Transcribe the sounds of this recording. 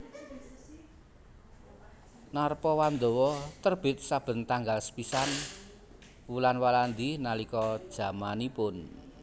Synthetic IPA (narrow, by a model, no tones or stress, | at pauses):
narpɔwand̪o̤wɔt̪ərb̥ɪt̪̚sab̥ə̤nt̪aŋɡalsə̥pisan | wulanwaland̪inalikɔd̥ʒ̥ä̤manipʊn